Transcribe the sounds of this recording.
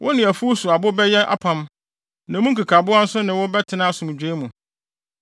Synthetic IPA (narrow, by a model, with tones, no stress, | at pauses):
wʔʊ˦nɪ̃˨æ˨fu˦sʊ˨a˨bʊ˦bɛ˦jɛ˦ʔa̰˦pʰã˦m | nã˨mũ˦kʰi˨kʰa˨bʊ˦a˦n̩˦sʊ˦nɪ̃˨wʊ˦bɛ˦tʰɪ˨nã˦a˦˨sʊ̃˨m˨d͡ʑᶣe˦mũ˨